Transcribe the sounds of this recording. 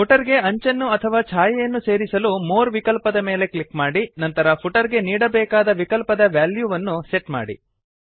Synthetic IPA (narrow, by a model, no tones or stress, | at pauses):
pʰuʈɐɾɡe̞ɐɲt͡ʃɐnːuɐt̪ʰɐʋaːt͡ʃʰaːjɐjɐnːuse̞ːɾisɐlumoːɾʋikɐlpɐd̪ɐmeːle̞klikmaːɽinɐnt̪ɐɾɐpʰuʈɐɾɡe̞niːɽɐbɛːkaːd̪ɐʋikɐlpɐd̪ɐʋjaːljuːʋɐnːuse̞ʈma̰ːɽḭ